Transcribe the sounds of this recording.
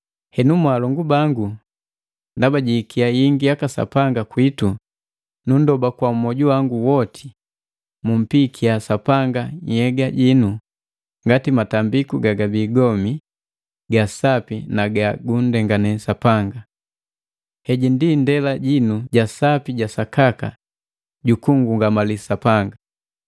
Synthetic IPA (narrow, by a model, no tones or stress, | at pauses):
hɛnumwalɔŋɡubaŋɡu | ndabaɟikʰiajiŋɡiakasa̰paŋɡakwitu | nun̩dɔbakwaumɔɟuwaŋɡuwɔtʰi̥ | mum̩pikʰiasapaŋɡaɲhɛɡaɟinu | ŋɡatimatambikuɡaɡabiːɡɔmi | ɡasapinaɡaɡundɛŋɡanɛsapaŋɡa | hɛɟindindɛlaɟinuɟasapiɟasakaka̰ | ɟukuŋɡuŋɡamalisapaŋɡa